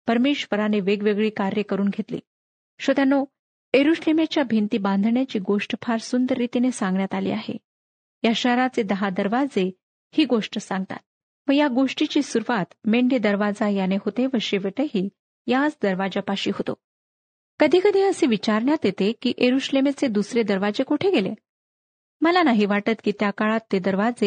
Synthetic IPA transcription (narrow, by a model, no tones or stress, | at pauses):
pəɾmeɕʋəɾaneʋeɡʋeɡɭiːkaɾjəkəɾuːnɡʱet̪lḭː | ɕət̪ano | eɾuɕlemet͡ɕjabʱent̪iːbãnd̪ʱɳjat͡ɕiːɡoʂʈəfʰaɾsund̪əɾːit̪inesãŋɡɳjat̪alḭːaɦḛ | jaɕəɦɾat͡sed̪əɦad̪əɾʋad͡ze | hiːɡoʂʈəsãŋɡ̚t̪a̰t̪̚ | ʋə̃jaɡoʂʈit͡ɕiːsuɾuʋat̪meɳɖed̪əɾʋad͡zajaneɦot̪eʋəɕeʋeʈəɦiː | jat͡sd̪əɾʋad͡ʑapaɕiːɦot̪o̰ | kəd̪ʱiːkəd̪ʱiːəseʋit͡ɕaɾɳjat̪jet̪ekiːʔeɾuɕlemet͡sed̪usɾed̪əɾʋad͡ʑekuʈʰeɡelḛ | məlanaɦiʋaʈət̪kiːt̪jakaɭat̪ːed̪əɾʋad͡ze